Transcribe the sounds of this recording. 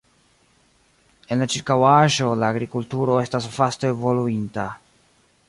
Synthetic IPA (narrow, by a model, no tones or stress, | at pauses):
e̞nlat͡ʃiɾkawaʒo̞laːɡɾikultuɾo̞e̞stasfaste̞ːvo̞luinta